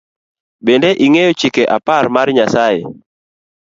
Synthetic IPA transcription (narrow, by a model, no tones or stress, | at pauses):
bendeʔiŋejot͡ʃikeʔaparmarɲasajḛ